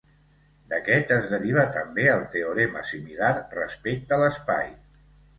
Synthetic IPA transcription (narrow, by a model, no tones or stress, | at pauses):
d̪əkɛt̪əzðəɾiβ̞ət̪əmbeəlˠt̪eoɾɛmə̰similarrə̰spek̚t̪ələspa̰j